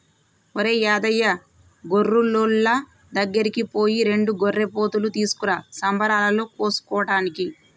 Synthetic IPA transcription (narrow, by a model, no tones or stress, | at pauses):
oɾeːjaːd̪ɐjːɐ | ɡorːulːoːlːɐ | d̪ɐɡːɐɾikipo̞ːjiɾe̞ɳɖuɡorːepo̞ːt̪ulut̪iːsu̥kuɾɐsɐmbɐɾaːlɐloːkoːsu̥kɔːɐʈaːniki